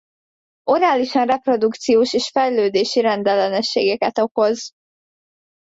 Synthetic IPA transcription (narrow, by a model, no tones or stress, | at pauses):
o̞ɾaːliʃɒnrɛpro̞d̪ukt̪sijoːʃeːʃfɛjløːd̪eːʃiɾɛnd̪ɛlɛnɛʃːḛːɡɛkɛt̪o̞ko̞z